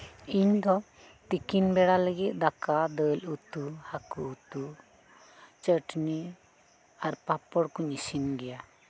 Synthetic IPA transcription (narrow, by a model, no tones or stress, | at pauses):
iɲd̪ɔ | t̪ikinbɛɽaləɡit̪̚ˀd̪akad̪əlut̪uhakuːt̪u | t͡ʃəʈni | aɾpapɔɽkuɲisinɡɛja